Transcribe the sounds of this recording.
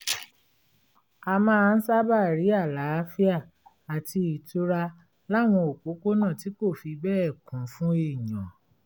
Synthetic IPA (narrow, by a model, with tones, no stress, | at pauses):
a˧mã˦˧n̩˦sa˦ba˦˨ɾi˨˦a˦˨la˨˦a˦fi˦a˦˨ | a˨ti˧i˨tu˦ɾa˧ | la˦˨w̃ɔ̃˧o˨k͡po˨˦ko˦nãː˦˨ti˨˦ko˦˨fi˧bɛ˦ɛ˦˨kũ˨˦fũ˦e˦˨jã˨